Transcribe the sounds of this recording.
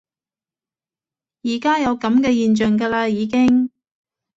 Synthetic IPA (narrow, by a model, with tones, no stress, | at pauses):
jiː˨˩kaː˥jɐ˨˧wkɐ˨˥mkɛː˧jiː˨nt͡ʃœː˨˩ŋɡaː˧laː˧jiː˨˧k̬ɪ˥ŋ